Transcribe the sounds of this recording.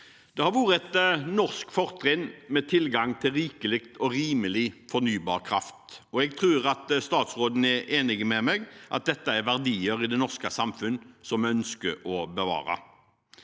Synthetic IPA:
d̪̥ɛhɑɾʋuːɾəɛt̪nɔʁskfɔʁt̪ʰɾɪnːmɛt̪ʰɪlɡɑŋt̪ʰɪlɾiːkəlɪkt̪ɔɾiːməlɪfɔɾnyːbɑ̰ːʁkʰɾɑft̪ɔɛɡ̚t̪ʰɾʉːɾɑt̪st̪ɑːt̪sɾoːd̪n̩ɛʔeːnɪɡmɛmɛɡʔɑ̰t̪̚d̪ɛt̪ːəæɾʋæʁd̪iːəɾɪd̪ɛnɔʁskəsɑmfʉnsɔmœnskəɾɔbəʋɑ̰ːɾɑ̰

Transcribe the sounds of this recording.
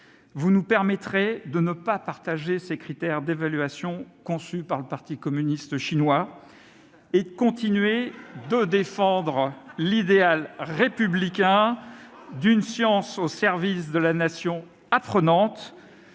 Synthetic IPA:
vunupɛʁmɛt̪χed̪ənəpapaʁt̪aʒesekχit̪ɛʁd̪evalɥasjɔ̃kɔ̃sypaʁləpaʁt̪ikɔmynist̪əʃinwa | ed̪əkɔ̃t̪inɥed̪əd̪efɑ̃d̪ʁlid̪ealʁepyblikʲɛ̃ | d̪ynsjɑ̃sosɛʁvisd̪əlanasjɔ̃ | apχənɑ̃t̪

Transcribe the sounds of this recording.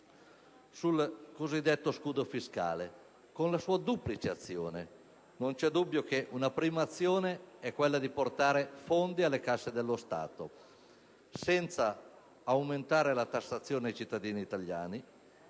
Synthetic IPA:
sulkozid̪ːet̪ːoskuːd̪ofiska̰ːle | konlasuːad̪uplit͡ʃeat̪sːjo̰ːne | nont͡ʃɛd̪ubːjok̟eʔunapɾiːmaːt̪sːjoːneɛkːwelːad̪iport̪aːɾefond̪ialːekasːed̪elːost̪a̰ːt̪o̰ | sɛnt̪saː | wment̪aːɾelat̪asːat̪sːjoːneaejt͡ʃit̪ːad̪iːniːt̪alja̰ːni

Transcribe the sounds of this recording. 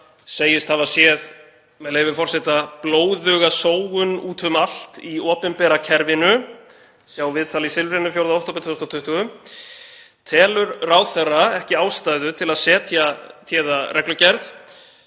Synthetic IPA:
seːjɪst̪θavasjɛð | mɛðleːjvɪfɔr̥sɛt̪aploːwðʏːɣasoːwɣʏnuːt̪ʏmal̥t̪iɔːpɪmpɛɾacʰɛɾvɪnʏ | sjawvɪðt̪ʰaːlisɪlvɾɪnʏfjowɾðaowht̪ɔwp̬ɪnt̪ʰʏst̪ɔt̪ʰʏht̪ʏɣʏ | t̪ʰɛːlʏɾraːwθɛrːaɛhcɪaːwst̪ajðʏt̪ʰɪlaðsɛːt̪ʰjat̪ʰjɛːðarʔɛklʏcɛɾθ

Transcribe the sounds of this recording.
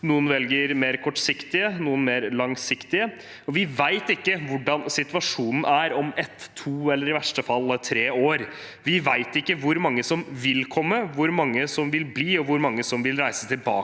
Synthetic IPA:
nuːənʋɛlɡəɾmeːɾkʰɔʈːsɪkt̪ɪənuːənmeːɾlɑŋsɪkt̪ɪə | ɔʋɪʋæɪt̪ɪkːəʋʊɖɑnsɪt̪ʉɑʂuːnən̩ʔæɾɔmɛt̪ʰːuːɛlːəɾɪʋæʂʈəfɑlːt̪ʰɾeːoːɾ | ʋɪʋæɪt̪ɪkːəʋʊɾmɑŋːəsɔmʋɪlkʰɔmːəʋʊɾmɑŋːəsɔmʋɪlbliːɔʋʊɾmɑŋːəsɔmʋɪlɾæɪsət̪ʰɪlbɑ̰ːə

